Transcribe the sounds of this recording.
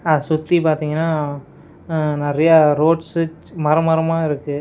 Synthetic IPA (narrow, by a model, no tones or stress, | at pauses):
ɐsʊt̪ːipaːɾt̪iːŋɡɐnːaː | nɛɾɐjaɾoːʈsɯ | mɐɾɐmɐɾɐmaːɪɾɯkːɯ